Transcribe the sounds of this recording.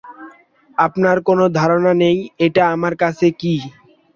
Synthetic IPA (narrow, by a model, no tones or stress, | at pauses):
apnaɾkonod̪ʱaɾonanejeʈaamaɾkat͡ɕʰeki